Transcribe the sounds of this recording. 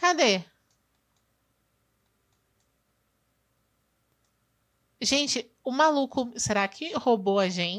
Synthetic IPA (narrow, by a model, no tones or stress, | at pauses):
kad̪e | ʒẽt͡ʃɪ | ʊmalukʊseɾakʰɪhoboɐʒẽ